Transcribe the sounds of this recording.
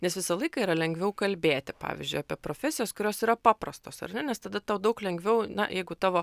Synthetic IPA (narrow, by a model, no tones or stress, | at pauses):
nʲɛsʋʲɪsɐlˠɐɪkɐiːɾɐlʲɛŋʲɡʲʋʲɛʊkɐlʲbʲeːt̪ʲɪpɑ̰ːʋʲɪ̰zʲd͡ʒʲʊɪaːpʲiɛpɾoːfʲɛsʲɪjoːskʊɾʲoːsiːɾɐpɑːpɾɐst̪oːsɐ̰rnʲɛnʲɛst̪ɐd̪ɐt̪ɑʊd̪ɐʊklʲɛŋɡʲʋʲɛʊnɐ̰jɛɪɡʊt̪ɑːʋoː